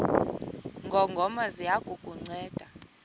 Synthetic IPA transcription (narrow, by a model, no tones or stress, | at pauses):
ŋɡʱɔŋɡʱɔmazijakʼukʼuŋ͡ǀɛːd̥ʱa